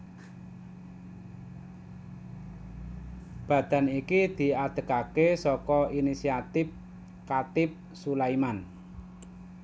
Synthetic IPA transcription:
b̥ä̤d̪̥a̤nikid̪̥i̤ad̪̥ə̤kakesɔkɔinisiat̪ɪp̚ | kat̪ɪp̚ | sulajman

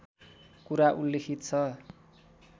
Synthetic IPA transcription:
kuɾaʔulːekʰit̪t͡sʰʌ

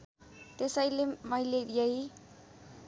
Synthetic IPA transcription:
t̪esʌjlemʌileɾijʌɦi

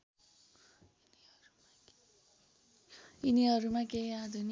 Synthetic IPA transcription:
n | ʌɾu | iniɦʌɾumakeiad̪ʱun

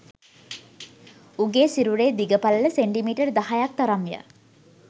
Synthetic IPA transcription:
uɡeːsiɾuɾeːd̪iɡəpalələseɳʈimiːʈərd̪aɦajak̚t̪aɾamjə̰

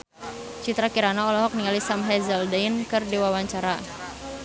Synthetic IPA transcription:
t͡ʃit̪ɾakiɾanɔːlɔɦɔk̚niŋalisamɦɛzɛldainkɨrdiwawaɲt͡ʃaɾa

